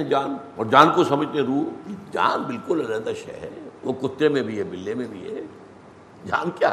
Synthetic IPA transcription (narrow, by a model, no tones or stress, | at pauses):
d͡ʒaːnɔːɾd͡ʒaːnkosɐməd͡ʒnẽɾuːkid͡ʒa̰ːnbɪlkʊlɐlɛ̃ːd̪aʃɛ̰ɦɛʋokʊt̪ːɾemẽbʱiɦɛbɪlːemẽbʱiɦɛ̰ | d͡ʒa̰ːnkjaː